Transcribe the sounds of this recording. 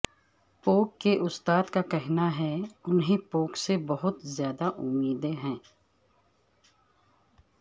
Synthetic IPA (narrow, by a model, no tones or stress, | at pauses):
poːkːeʔʊst̪aːd̪kakɛɦnaɦɛʊnɦĩpoːksebɐɦʊt̪zjaːd̪aʔʊmːiːd̪eɦɛ̃ː